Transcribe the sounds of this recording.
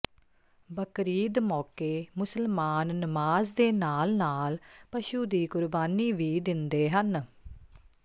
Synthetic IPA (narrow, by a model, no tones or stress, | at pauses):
bəkɾiːd̪mɔːkeːmʊsəlmaːnːəmaːzd̪eːnaːlnaːlpəʃuːd̪iːkʊɾbaːniːʋiːd̪ɪnd̪eːɦən